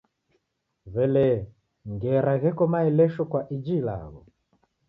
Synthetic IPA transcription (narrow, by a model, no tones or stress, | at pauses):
βɛlɛ | ŋɡɛɾaɣɛkɔmaɛlɛʃɔkwaʔid͡ʒila̰ɣɔ̰